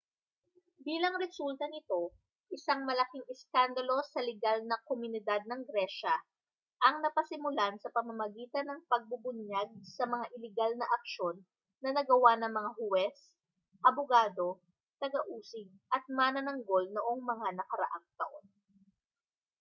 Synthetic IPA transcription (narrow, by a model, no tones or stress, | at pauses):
biːlɐŋɾɛsult̪ɐnɪt̪o̞ | ʔɪsaŋmɐlɐkiŋɛskand̪ɐlo̞sɐlɛɡalnɐkomʊnɪd̪ad̪̚nɐŋɡɾɛʃɐ | ʔɐŋnɐpɐsɪmʊlansɐpɐmɐmɐɡiːt̪ɐnɐŋpɐɡ̚bʊbʊɲjaɡ̚sɐmɐŋaʔɪlɪɡalnɐʔɐk̚ʃo̞nː | ɐnɐɡɐwanɐŋmɐŋaɦʊwɛs | ʔɐboɡaːd̪o̞ | t̪ɐɡɐʔuːsɪɡ̚ʔɐt̪̚manɐnɐŋɡo̞lnoʔo̞ŋmɐŋanɐkɐɾɐ̰ʔaŋt̪ɐʔo̞n